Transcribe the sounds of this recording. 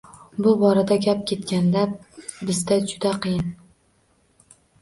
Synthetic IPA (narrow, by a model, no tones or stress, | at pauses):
bʊbɒɾad̪aɡʲap̚kʲʰe̞t̪kʲʰand̪abɪzd̪ad͡ʒʊd̪aqʰɨjɪn